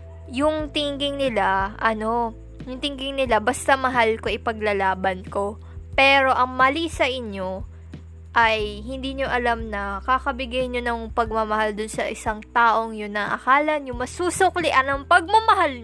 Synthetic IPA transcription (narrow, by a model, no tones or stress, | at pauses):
jʊŋt̪ɪŋɡɪŋnɪlaʔɐno̞ | jʊŋt̪ɪŋɡɪŋnɪlabɐst̪ɐmɐɦalko̞ʔɪpɐɡlɐlaːbɐnko̞ | pɛːɾo̞ʔɐŋmɐlisɐʔɪɲo̞ | ʔɐjhɪnd̪iːɲo̞ʔɐlamnɐkakɐbɪɡajɲonɐŋpɐɡ̚mɐmɐhald̪ʊnsɐʔɪsaŋt̪aːʔo̞ŋjʊnːɐʔɐ̰kaːlɐnjʊŋmɐsuːsoklɪʔɐnɐŋpɐɡ̚mɐmɐɦal